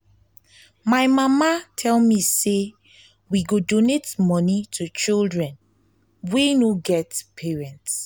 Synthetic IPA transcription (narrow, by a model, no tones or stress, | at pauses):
majmamatʰɛlmise | wiɡodonetmɔnitʰut͡ʃildɹɛ̃n | wenoɡɛtpʰeɹɛ̃nts